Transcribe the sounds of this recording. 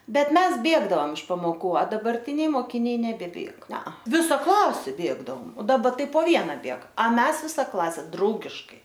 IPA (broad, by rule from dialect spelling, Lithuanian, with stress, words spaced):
ˈbʲɛt ˈmʲɛs ˈbʲeːɡdɐoːm ɪʃ pɐmoːˈkuː ɐ dɐbɐrʲˈtʲɪnʲɛɪ moːkʲɪˈnʲɛɪ nʲɛbʲɛˈbʲeːk ˈnʲɛɐ ˈʋʲɪsɐ ˈklˠɑːsʲeː ˈbʲeːɡdɐoːm oː dɐˈbɐ ˈtɐɪ poː ˈʋʲiɛnɑː ˈbʲeːk ɐ ˈmʲɛs ˈʋʲɪsɐ ˈklˠɑːsʲɛ ˈdrɐʊɡʲɪʃkɐɪ